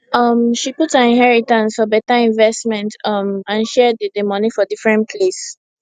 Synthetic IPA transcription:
ʌmʃiputhaĩnɦɛɹitãnsfɔbɛtaĩnvɛstmɛ̃ntʌmãnʃɛdədəmɔnifɔdifɹɛ̃npʰles

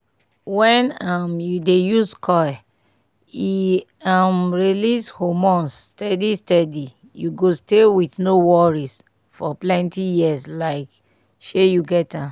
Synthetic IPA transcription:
wɛ̃namjudejuskʰɔ | i | amɹilishomɔ̃nstɛdistɛdi | juɡostewiθnowɔɹis | fɔplɛ̃ntijislaɪk | ʃejuɡɛtã

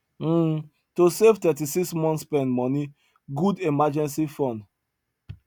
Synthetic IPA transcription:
tosevtɛt̬isiksmɔ̃ntspɛ̃ndmɔni | ɡudemad͡ʒɛ̃nsifɔ̃nd

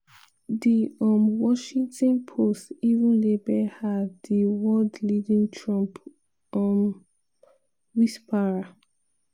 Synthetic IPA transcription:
diɔmwɔʃĩŋtɔ̃npʰostivũnlebɛhaddiwɔldlidĩntʰɹɔ̃mp | ɔm | wispʰaɹa

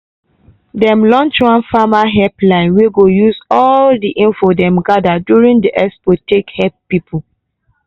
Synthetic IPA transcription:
dɛ̃mlɔ̃nt͡ʃuãnfamaɦɛplãɪ̃nweɡojuzɔldiʔĩnfodɛ̃mɡadadjuɹĩŋdiʔɛspotekhɛppːipʰu

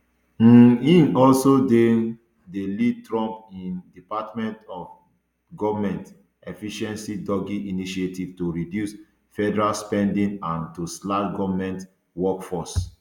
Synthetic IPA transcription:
ĩnɔlsode | delid̚tɹɔ̃mpĩndipatmɛ̃ntɔf | ɡɔvamɛ̃nt | ɛfiʃɛ̃nsidɔɡiʔiniʃietivtuɹidjus | fɛdɛɹalspɛ̃ndĩnãntuslaɡɔvmɛ̃nt | wɔkfɔs

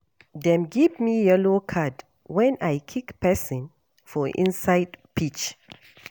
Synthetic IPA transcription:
dɛ̃mɡivmijɛlokʰad | wɛ̃najkʰikpɛsĩn | fɔʔḭ̃nsaɪdpʰit͡ʃ

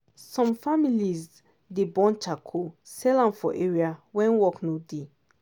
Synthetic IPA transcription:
sɔ̃mfamiliz | debɔ̃nt͡ʃakʰosɛlãmfɔ̰ʔeɹiawɛ̃nwɔknode

